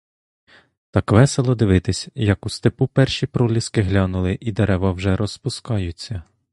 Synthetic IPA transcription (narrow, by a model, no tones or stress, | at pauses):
t̪ɑkʋɛselˠɔd̪ɪʋɪt̪ɪsʲjɐkust̪epupɛrʃipɾɔlʲiskɪɦlʲɑnʊlˠɪʔid̪eɾɛʋɐwʒɛɾɔspʊskɑjʊt͡sʲːɐ